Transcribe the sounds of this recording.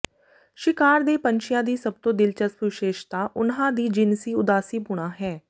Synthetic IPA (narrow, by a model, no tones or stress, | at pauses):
ʃɪkaːɾd̪eːpəɲt͡ʃɪjãːd̪iːsəb̚t̪õːd̪ɪlt͡ʃəspʋɪʃeːʃt̪aːʔʊnɦãːd̪iːd͡ʒɪnsiːʊd̪aːsiːbʊɽ̃aːɦɛː